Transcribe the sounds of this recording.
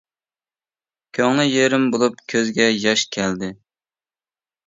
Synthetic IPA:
kʲʰøŋnɪjeɾɪmbolˠup̚kʲʰøzɡʲɛjɑʃkʲʰɛld̪ɪ

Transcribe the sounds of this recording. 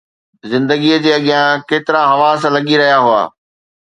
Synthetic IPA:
zɪ̃nd̪əɡijəd͡ʑeːɐɠjãkeːt̪ɪɾãɦɐʋaːslɐɠiɾɐɦijaɦʊa̰ː

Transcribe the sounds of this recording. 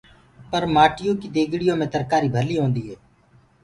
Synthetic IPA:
pəɾmaːʈɪjõːkid̪eːɡɽɪjõːmẽːt̪əɾkaːɾiːbʱəliːɦõːnd̪iːɦɛː

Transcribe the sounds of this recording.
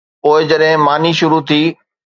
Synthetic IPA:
oːɪd͡ʑɐɗɦɪ̃maːniʃʊɾut̪ʰiː

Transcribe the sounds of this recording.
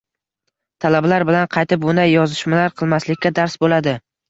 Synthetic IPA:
t̪ʰalabalaɾbɪlanqʰɑjt̪ʰɪp̚bʊnd̪ajːɒzɪʃmalaɾqʰɨlˠmaslɪkʲʰːad̪aɾsbolad̪ɪ

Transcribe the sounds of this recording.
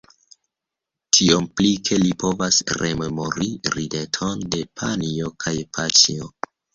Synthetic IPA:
tʰio̞mplikʰe̞lipo̞vasre̞̰me̞mo̞ɾiɾide̞tʰo̞nde̞pʰanio̞kʰajpʰat͡ʃio

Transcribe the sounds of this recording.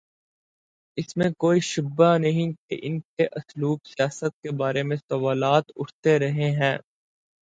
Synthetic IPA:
ɪsmẽkoːiʃʊbanɐɦĩkḛʔɪnkeʔɐsluːksijaːsət̪̚kebaːɾemẽsɐʋaːlaːt̪ʊʈʰt̪eɾɐɦeɦɛ̃ː

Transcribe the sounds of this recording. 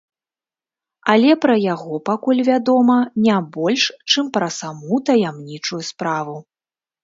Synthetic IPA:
ɐlʲɛpɾɐjaɣɔpakulʲvʲad̪ɔmɐnʲabɔlʲʂt͡ʂɨmpɾɐsamut̪ɐjamnʲit͡ʂujuspɾavu

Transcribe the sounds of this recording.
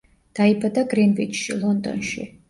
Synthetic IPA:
d̪̥aibad̪aɡɾinvid͡ʒʃḭlˠɔnd̪ɔ̰nʃḭ

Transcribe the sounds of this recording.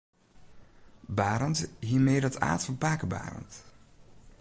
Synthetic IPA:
baːɾəntɦiːɹmeːdɑta̰ːtfɔnpaːkəba̰ːrə̰nt

